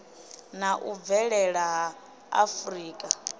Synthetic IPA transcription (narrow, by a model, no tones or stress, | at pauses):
naʔuvɛɺɛɺaɦaː | friːkʼa